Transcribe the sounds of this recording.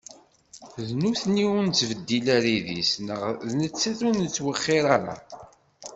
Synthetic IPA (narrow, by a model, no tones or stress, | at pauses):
ðnuθnːiʊnt͡sːvəd̪ːilæɾiðisnəʁðnət͡sːæθunət͡sːwəχːɪɾaɾa̰